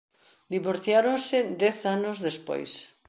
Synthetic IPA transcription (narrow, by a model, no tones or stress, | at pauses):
d̪iβoɾθjaɾonsɪd̪ɛθanʊzðespo̰js